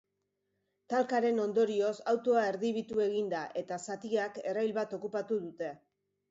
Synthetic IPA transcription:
t̪alkaɾe̞no̞nd̪o̞ɾio̞sawt̪o̞ae̞ɾðiβ̞it̪ue̞ɣ̞ind̪aʔe̞t̪asat̪iake̞rajlβat̪o̞kupat̪uðut̪e̞

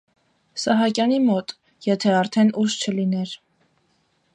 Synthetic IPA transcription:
sɑɦɑkjɑnimɔt̪ | jɛt̪ʰɛɑɾt̪ʰɛnʔuʃt͡ʃʰəlinɛɾ

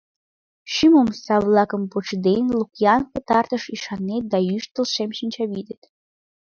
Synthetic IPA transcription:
ʃimumsavlˠɑkəmpoʈ͡ʂʰd̪ejnlˠukʰʲjankət̪ʰart̪ʰəʂiʂanːet̪̚d̪ajyʃt̪ɨlˠʂemʃint͡ʃʰavid̪et̪ʼ

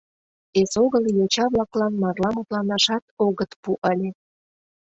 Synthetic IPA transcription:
esoɣəljot͡ɕɑβlɑklɑnmɑrlɑmut̪lɑnɑʃɑt̪oɣət̪puʔəlʲe

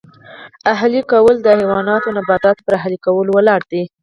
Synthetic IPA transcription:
aɦlikawəld̪əhewɑnɑt̪onabɑd̪ɑt̪pəɾaɦlikawəlowəlɑɽd̪̥i

